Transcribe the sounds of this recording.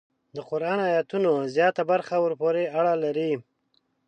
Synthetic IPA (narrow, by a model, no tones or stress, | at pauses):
d̪əqʊɾɑnajat̪unozjɑt̪abaɾxawəɾpoɾeaɽalaɾi